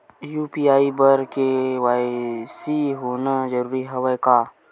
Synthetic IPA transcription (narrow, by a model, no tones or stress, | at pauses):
juːpiaːibəɾkewaːisiɦoːnad͡ʒəɾuːɾiɦɐwəjkaː